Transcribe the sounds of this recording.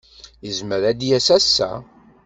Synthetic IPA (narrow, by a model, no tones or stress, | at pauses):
jəzməɾæd̪jæsæsːæ̰